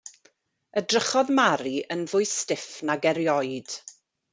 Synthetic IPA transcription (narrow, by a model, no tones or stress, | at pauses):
ədrəχɔðmaɾiʔənvʊɨstɪfnaɡɛɾjɔɨd̥